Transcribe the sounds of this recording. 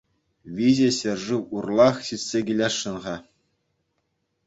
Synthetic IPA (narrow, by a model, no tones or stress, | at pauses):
ʋʲizĕɕɘ̆rʐɯurlˠɑχɕitʲsʲeɡʲilʲɑʂːɤ̆nʁɑ